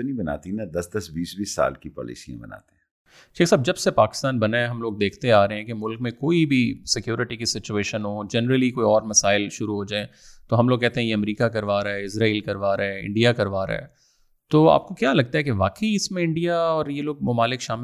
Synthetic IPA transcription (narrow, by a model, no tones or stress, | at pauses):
nĩbɐna̰ːt̪inɐd̪ɐsd̪ɐsbiːsbʱisa̰ːlkipɔ̰ːlḭːsijã̰bɐna̰ːt̪eɛ̃ | ʃeːksaːb̚d͡ʒɐbsepaːkɪ̥st̪aːnbɐnaɛ̃ɦɐmloːɡ̚d̪eːkʰt̪eaːɾɐɦeɦɛ̃kemʊlkmẽkoːibʱisɪkjuːɾɪʈikisɪt͡ʃueːʃənɦoːd͡ʒɛnəɾəlikoːiɔːɾmɐsaːɪlʃʊɾuɦoːd͡ʒaːɛ̃ | t̪oɦɐmloːɡ̚kːɛɦt̪ẽɦɛ̃jeɐmɾiːkakɐɾʋaːɾaɦɛɪsɾaːiːlkɐɾʋaːɾɦɛɪ̰̃ɳɖijakɐɾʋaːɾ̰ɦɛ̰ː | t̪oːa̰ːp̚kokjaːlɐɡ̚t̪aɦɛkeʋaːkəiɪsmẽɪ̃ɳɖijaɔːɾjeloːɡ̚mʊmaːlɪkʃaːmɪ